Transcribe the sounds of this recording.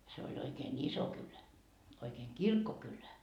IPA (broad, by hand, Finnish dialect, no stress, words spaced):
se olʲ oikeːn iso kylæ oikeːŋ kirkːokylæ